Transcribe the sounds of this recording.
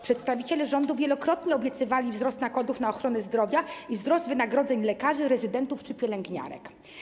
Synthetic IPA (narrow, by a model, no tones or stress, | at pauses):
pʂɛt̪st̪avʲit͡ɕɛlɛʐɔnd̪uvʲjɛlɔkɾɔt̪ɲɛɔbʲjɛt̪sɘvalʲivzɾɔst̪naɡɔd̪ufnaɔxɾɔnɛzd̪ɾɔvʲjaivzɾɔst̪vɘnaɡɾɔd̪zɛɲlɛkaʐɘɾɛzɘd̪ɛnt̪uft͡ʂɘpʲjɛlɛŋɡɲa̰ɾɛ̰k